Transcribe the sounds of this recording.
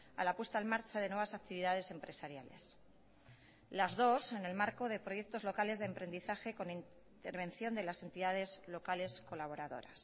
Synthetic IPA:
a̰lapwe̞st̪almaɾt͡ʃaðe̞nwe̞β̞asak̚t̪iβiðaðe̞se̞mpɾe̞saɾjale̞̰s | lazðo̞se̞ne̞lmaɾko̞ð̞e̞pɾo̞je̞k̚t̪o̞zlo̞kale̞zðempɾe̞nd̪iθaxe̞ko̞nin | t̪e̞ɾβ̞e̞nθjo̞nd̪e̞lase̞nt̪iðað̞e̞zlo̞kale̞sko̞laβ̞o̞ɾaðo̞̰ɾa̰s

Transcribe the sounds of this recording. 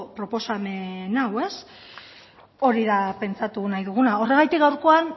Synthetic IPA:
pɾo̞po̞same̞nawe̞s | o̞ɾiðape̞nt͡sat̪unajðuɣ̞unao̞re̞ɣ̞ajt̪ikɡawɾko̞an

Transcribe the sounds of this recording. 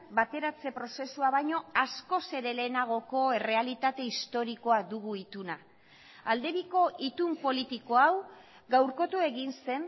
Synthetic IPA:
bat̪e̞ɾat͡se̞pɾo̞se̞suaβajɲo̞asko̞se̞ɾe̞le̞ːnaɣ̞o̞ko̞e̞re̞alit̪at̪e̞ist̪o̞ɾiko̞ad̪uɣuit̪una | ald̪e̞βiko̞ʔit̪umpo̞lit̪iko̞aw | ɣawɾko̞t̪ue̞ɣinse̞n

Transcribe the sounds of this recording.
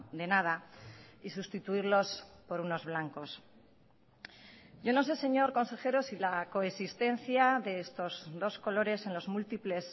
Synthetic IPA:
d̪e̞nað̞aisust̪it̪uiɾlo̞spo̞ɾuno̞zβlaŋko̞s | ɟ͡ʝo̞no̞s̬e̞se̞ɲo̞ɾko̞nse̞xe̞ɾo̞silako̞esist̪ẽ̞nθjaðe̞est̪o̞zðo̞sko̞lo̞ɾe̞se̞nlo̞zmult̪iple̞s

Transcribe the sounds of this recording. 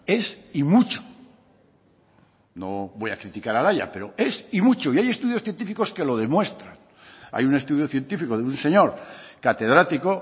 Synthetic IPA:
e̞simut͡ʃo̥ | noβo̞ja̰kɾit̪ikaɾalaja̰pe̞ɾo̞e̞simut͡ʃoiaje̞st̪uðjosθje̞nt̪ifiko̞ske̞lo̞ð̞e̞mwe̞st̪ɾan | a̰june̞st̪uðjoθje̞nt̪ifikoðeunse̞ɲo̞ɾkat̪e̞ð̞ɾat̪iko

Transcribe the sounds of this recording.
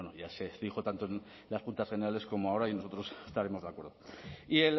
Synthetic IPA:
enoʝase̞ixo̞t̪ant̪oen | laspunt̪asene̞ɾale̞sko̞moao̞ɾaino̞so̞t̪ɾo̞sest̪aɾe̞mo̞zðakwe̞ɾðo̞iel

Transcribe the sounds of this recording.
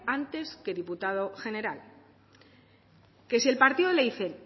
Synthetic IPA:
ant̪e̞ske̞ðiput̪að̞o̞xe̞ne̞ɾal | ke̞sie̞lpaɾt̪iðoleiθen

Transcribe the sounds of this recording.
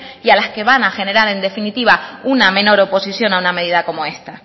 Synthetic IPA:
ialaske̞βanaxe̞ne̞ɾaɾe̞nd̪e̞finit̪iβaunamẽ̞no̞ɾo̞po̞siθjo̞nauname̞ð̞iðako̞mo̞e̞st̪a

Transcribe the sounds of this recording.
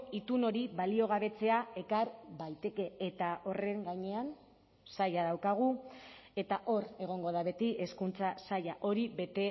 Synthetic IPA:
it̪uno̞ɾiβalio̞ɣ̞aβe̞t͡se̞ae̞kaɾbajt̪e̞ke̞ːt̪ao̞re̞ŋɡaɲe̞an | sajaðawkaɣ̞ue̞t̪aʔo̞re̞ɣ̞o̞ŋɡo̞ðaβe̞t̪iʔe̞skunt͡sasajaʔo̞ɾiβe̞t̪e̞

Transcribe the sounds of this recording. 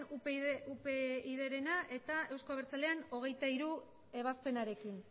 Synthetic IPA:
uupeiðeɾe̞naʔe̞t̪ae̞wskoβ̞eɾt͡sale̞ano̞ɣ̞e̞jt̪aiɾu | e̞β̞aspe̞naɾe̞kin

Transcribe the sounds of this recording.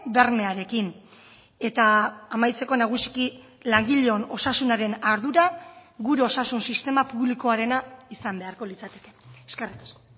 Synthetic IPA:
be̞ɾme̞aɾe̞kin | e̞t̪aːmajt͡se̞ko̞naɣ̞usi̥ki | laŋɡiʎeono̞sasunaɾe̞naɾðuɾaɡuɾeo̞sasunsist̪e̞mapuβliko̞aɾe̞naisambe̞aɾko̞lit͡sat̪e̞̥ke̞̥eskerit̪ḁsko

